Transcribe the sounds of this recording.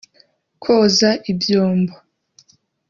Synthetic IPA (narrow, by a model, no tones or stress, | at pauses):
kʰozaʔibjoːmbo